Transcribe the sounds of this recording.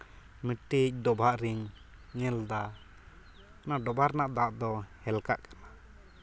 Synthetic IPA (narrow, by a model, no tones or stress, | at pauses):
miʈic̚ɖɔbʱaʔɾiŋ | ɲɛld̪a | naɖɔbʱaɾnaʔd̪aʔd̪ɔhɛlkaʔkḁna